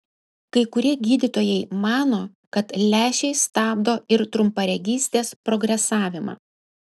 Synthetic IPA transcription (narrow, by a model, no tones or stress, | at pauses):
kɐɪkʊɾʲiɛɡʲiːd̪ʲɪt̪oːjɛɪmɑːnoː | kɐt̪lʲæːʃʲɛɪst̪ɑːb̚d̪oːɪɾt̪ɾʊmpɐɾʲɛɡʲiːsʲt̪ʲeːspɾɔɡɾʲɛsɑːʋʲɪmɑ̰ː